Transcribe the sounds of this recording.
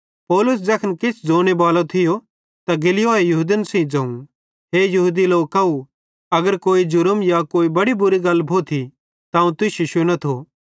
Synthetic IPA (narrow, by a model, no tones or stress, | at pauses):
pɔːlʊs̬d͡zɐkʰənkɪsd͡zoːɽ̃ebaːlot̪ʰɪjo | t̪aɡɪlɪjoejɐɦud̪ənsɛ̃ĩd͡zɐ̃ːũ | ɦejɐɦuːd̪iloːkau | ɐɡəɾkoːid͡ʒʊɾəmjakoːibɐɽibʊɾiɡɐlbʱot̪ʰi | t̪aːũt̪ʊʃiʃʊñot̪ʰoː